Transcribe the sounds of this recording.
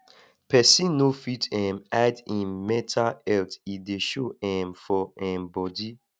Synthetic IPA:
pʰɛsĩnofitɛ̃madĩnmɛtʰaɛltideʃoɛ̃mfɔɛ̃mbɔdi

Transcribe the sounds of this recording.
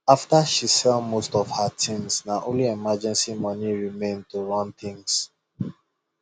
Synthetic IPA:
aftaʃisɛlmostɔfhatʰĩmsnaʔõnliɛmad͡ʒɛ̃nsimɔniɹimẽntoɹɔ̃nt̪ĩŋs

